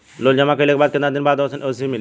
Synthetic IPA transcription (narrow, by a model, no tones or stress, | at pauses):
lold͡ʒɐmakəlek̚bad̪kẽnd̪ad̪inbad̪ɔsʰənosimil